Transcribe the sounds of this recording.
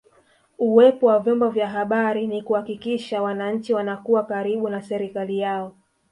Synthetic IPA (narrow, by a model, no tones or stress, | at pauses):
uwɛpɔwavjɔmbɔvjaɦaɓaɾinikuhakikiʃawanaɲ̩t͡ʃiwanakuwakaɾiɓunasɛɾikalijaɔ